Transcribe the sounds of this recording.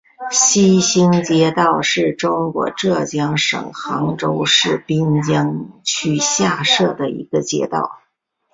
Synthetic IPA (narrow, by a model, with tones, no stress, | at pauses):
ɕi˥ɕi˥ŋt͡ɕjɛ˥t̪ɑ˥˧ʊʂɻ̩˥˩ʈ͡ʂʊ˥ŋkwɔ̰˧˥ʈ͡ʂɤ˥˩t͡ɕjɑ˥ŋʂɤ̰˨˩ŋxɑ˧˥ŋʈ͡ʂo˥ʊʂɻ̩˥˩pi˥nt͡ɕjɑ˥ŋt͡ɕʰy˥˩ɕja˥˧ʂɤ˥˩d̪ə˩ḭ˧˥ɡə˧t͡ɕjɛ̰˧˥t̪ɑ̰˥˩ʊ